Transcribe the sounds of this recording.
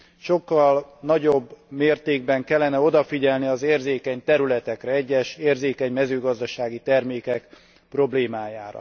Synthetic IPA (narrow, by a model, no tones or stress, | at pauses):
ʃo̞kːɒlnɒɟo̞bːmeːrt̪eːɡ̚bɛŋkɛlːɛnɛo̞d̪ɒfiɟɛlniɒzeːrzeːkɛɲt̪ɛɾylɛt̪ɛkrɛɛɟːɛʃeːrzeːkɛɲmɛzøːɡɒzd̪ɒʃaːɡit̪ɛrmeːkɛk | pro̞bleːmaːjaːɾɒ̰